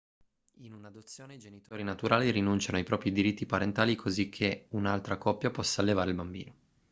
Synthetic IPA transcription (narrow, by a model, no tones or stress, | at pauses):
inunad̪ot̪sːjoːneid͡ʒenit̪oːɾinat̪uɾʔaːliɾinunt͡ʃanoajpɾɔːpɾid̪iɾit̪ːipaɾent̪aːlikʰozikʰːeunalt̪ɾakɔpːjapɔsːaːlːevaːɾeilbambḭːno